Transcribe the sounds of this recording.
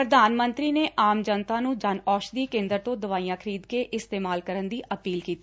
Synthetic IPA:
ɾəd̪aːnmə̃nt̪ɾiːneːʔaːmd͡ʒənt̪aːnũːd͡ʒanɔːʃd̪iːkẽːnd̪əɾt̪õːd̪əʋaːiːjãːkʰəɾiːd̪keːʔɪst̪eːmaːlkəɾənd̪iːʔəpiːlkiːt̪iː

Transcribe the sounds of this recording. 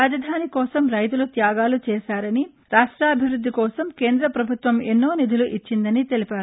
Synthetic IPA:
aːd͡ʒɐd̪ʱaːnikɔːsɐmɾɐjt̪̬ulut̪jaːɡaːlut͡ʃɛːʃaːɾɐni | ɾaːʂʈɾaːɐbʱiʋɾud̪ːikɔːsɐmkeːnd̪ɾɐpɾɐbʱut̪ʋɐmenːo̞ːnid̪ʱuluʔit͡ʃːind̪ɐnit̪e̞lipaːɾu

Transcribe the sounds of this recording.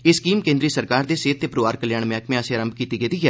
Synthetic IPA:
ɪskiːmkẽːnd̪ɾiːsəɾkaːɾd̪eːseːt̪ːeːpɾoʋaːɾkəljaːɳmaːkʰmẽasẽaːɾəmbkiːt̪iːɡet̪iːɡɛː

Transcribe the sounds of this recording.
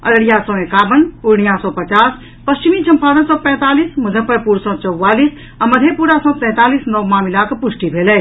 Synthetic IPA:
ə̰ɾəɽijasɔ̃ẽkaːbənuɾɳijasɔ̃pət͡ʃaːs | pəst͡ʃimit͡ʃʰə̃mpad̪ə̃nsɔ̃pɛ̃ːt̪aːlisməd̪ʱəpəɾpuɾsɔ̃t͡ʃəwːaliːs | aməd̪ʱepuɾasɔ̃sɛ̃ːt̪aːlisnɔwmaːmilakpusʈibʱelɛ

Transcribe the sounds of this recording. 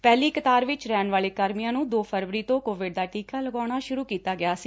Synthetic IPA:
pɛːliːkət̪aːɾʋɪt͡ʃɾɛːnʋaːleːkəɾmijãːnũːd̪oːfpʰəɾʋəɾiːt̪õːkoːʋɪɖ̚d̪aːʈiːkaːləɡaːɽ̃aːʃʊɾuːkiːt̪aːɡɪaːsiː

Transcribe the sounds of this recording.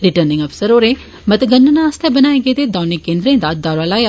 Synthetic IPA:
ɾɪʈəɾnɪ̃ŋɡɐfsəɾoːɾẽ | mɐt̪ɡənːənaast̪ʰebənaːeɡet̪ed̪aːnikːẽːnd̪ɾẽːnd̪ad̪aːɾaːlaːj

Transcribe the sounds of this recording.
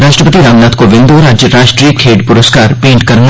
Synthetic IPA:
ɾaːʃʈɾəpət̪iɾaːmnaːt̪ʰkoʋɪ̃nd̪oɾɐd͡ʒɾaːʃʈɾiːkʰeːɖpʊɾəskaːɾpẽːɳʈkɐɾn

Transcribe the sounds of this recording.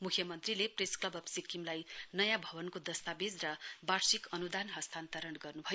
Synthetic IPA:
mukʰjʌmʌnt̪rilepresklʌbʌpsikimlajnʌjãbʱʌbʌnkod̪ʌst̪abed͡zrʌbaɾsikʌnud̪anɦʌst̪ʰant̪ʌɾʌnɡʌrnubʱʌjo

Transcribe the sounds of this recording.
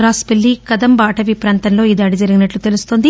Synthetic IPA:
ɾaːspelːikɐd̪ɐmbaːʈɐʋipɾaːnt̪ɐnlo̞ːiːd̪aːɽid͡ʒɐɾiɡinɐʈlut̪e̞lust̪o̞nd̪i

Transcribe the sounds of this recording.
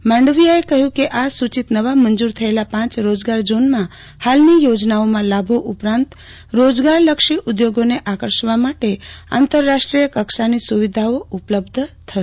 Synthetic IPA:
mãɳɖəʋijaekəɦjũkeʔasut͡ʃit̪nəʋamənd͡ʒuɾt̪ʰəelapãt͡ʃɾod͡ʒɡaɾd͡ʒonmã | halnijod͡ʒnaomãlabʱoʔʊpɾãnt̪ | ɾod͡ʒɡaɾləkʃiʔʊd̪joɡoneʔakəɾʃʋamaʈea̰nt̪əɾːaʃʈɾijəkəkʃanisuʋid̪ʱaoʊpləbd̪ʱt̪ʰəe

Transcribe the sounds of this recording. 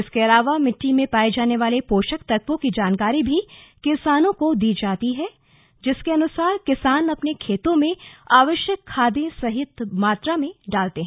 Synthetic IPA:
ɪskeɐlaːʋamɪʈːimẽpaːed͡ʒaːneʋaːlepoːʃəkt̪ɐɾkʋõkid͡ʒaːnkaːɾibʱikɪsaːnõkod̪iːd͡ʒaːt̪iɦɛ | d͡ʒɪskeɐnʊsaːɾkɪsaːnɐpnekʰeːt̪õmẽaːʋəʃjəkʰːaːd̪ẽsɐɦɪt̪maːt̪ɾamẽɖaːlt̪eɦɛ̃

